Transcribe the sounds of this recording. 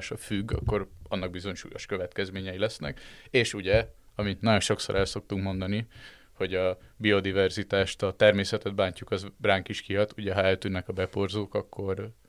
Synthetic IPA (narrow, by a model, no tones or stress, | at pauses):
ʃɒfyɡːɒ̰kːo̞rɒnːɒɡ̚bizo̞ɲʃṵːjo̞̰ʃkøvɛt̪kɛzmeːɲɛjilɛsnɛ̰keːʃuɟɛɒmit̪nɒɟo̞nʃo̞kso̞̰ɾʔɛlso̞k̚t̪uŋkmo̞nd̪ɒni | ho̞ɟɒbio̞d̪ivɛrzit̪aːʃt̪ɒt̪ɛrmeːsɛt̪ɛd̪̚baːɲcukɒzraːŋkiʃkiɦɒt̪uɟɛɦɒɛlt̪ynːɛkɒbɛpo̞rzoːkɒkːo̞r